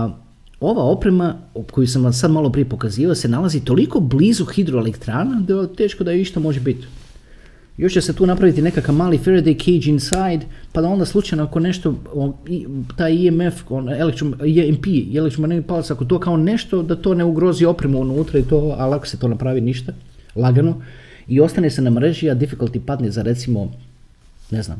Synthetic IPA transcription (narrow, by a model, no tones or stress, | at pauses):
o̞ʋao̞pɾe̞makojusamasad̪malˠo̞pɾijepo̞kaziːʋalase̞nalazit̪o̞liko̞bliːzuxid̪ɾoelekt̪ɾaːnad̪at̪e̞ːʃkod̪ajoiʃt̪amo̞ʒebit̪ | jo̞ʃt͡ɕeset̪uːnapɾaʋit̪ine̞kakaʋmaːlifeɾed̪ejkʰejd͡ʒinsajd̪pad̪ao̞nd̪aslˠut͡ʃajnoako̞ne̞ʃt̪o̞oit̪aːjiemefonelekt̪ɾomimpielek̚t̪ɾomnepalasakot̪̬oːkao̞ne̞ʃt̪o̞d̪at̪o̞ːne̞uɡɾo̞zio̞pɾemuunuːt̪ɾait̪oːalako̥set̪o̞ːnapɾaːʋiniʃt̪a | lˠaɡanu | io̞st̪anese̞namɾe̞ʒiad̪ifikulˠt̪ipad̪nezaɾe̞t̪simo̞̰ | nezna̰ːm